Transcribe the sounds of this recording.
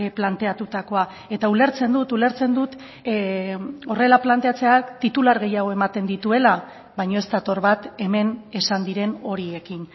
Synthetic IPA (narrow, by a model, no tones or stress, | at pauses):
plant̪e̞at̪ut̪ako̞a | e̞t̪aule̞ɾt͡se̞nd̪ut̪ule̞ɾt͡se̞nd̪ut̪ | o̞re̞laplant̪e̞at͡se̞at̪it̪ulaɾɣe̞jaɣ̞o̞e̞mat̪e̞nd̪it̪ue̞la | βajɲo̞e̞st̪at̪o̞ɾβat̪e̞me̞ne̞sand̪iɾe̞no̞ɾie̞kin